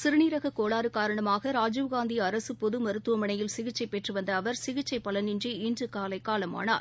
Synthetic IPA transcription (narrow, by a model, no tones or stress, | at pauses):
sɪɾɯniːɾɐɣɐkoːɭaːɾɯkaːɾɐɳɐmaːɣɐɾaːd͡ʒuʋɣaːnd̪iɐɾɐsɯpɔðɯmɐɾɯt̪ːɯʋɐmɐɳɐjɪlsɪɣɪt͡ʃːɐɪpɛʈrɯʋɐnd̪ɐːʋɐɾsɪɣɪt͡ʃːɐɪpːɐlɐnɪndriiːndrɯkaːlɐɪkːaːlɐma̰ːna̰ː